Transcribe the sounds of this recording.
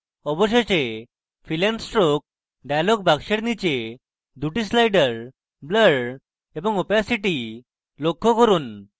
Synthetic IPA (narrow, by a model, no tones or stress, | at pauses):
ɔbɔɕet͡ɕe | filansʈɾok̚ | ɖajlɔɡ̚bakɕeɽnit͡ɕe | d̪uʈislajɖəɾ | bləɽ | ebəŋupjasiʈi | lokʰːɔkəɾuːn